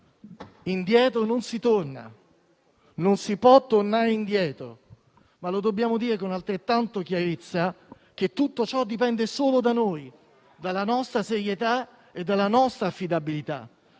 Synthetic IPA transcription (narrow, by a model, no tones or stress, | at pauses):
ind̪jɛːt̪ɾononsit̪orna̰ | nonsipwɔt̪ːornaɾeind̪jɛːt̪ɾo̰ | malod̪obːjaːmod̪iːɾekonalt̪ɾet̪ːant̪ok̟jaɾet̪sːa | k̟et̪ːut̪ːot͡ʃɔd̪ːipɛnd̪esoːlod̪anoːj | d̪alːanɔst̪ɾaseɾjet̪a | ed̪ːalːanɔst̪ɾaːfːid̪abilit̪a̰